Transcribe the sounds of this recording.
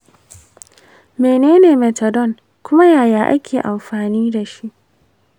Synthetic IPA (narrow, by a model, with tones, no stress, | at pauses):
meː˨neː˦neː˨mɛ˨tɔ˨dɔ˦˨n | kʷʊ˦ma˦jaː˨jaː˨˦ʔa̰˦kʲʰeː˨ʔa˨mɸaː˨niː˦da˨ʃi˦ʔ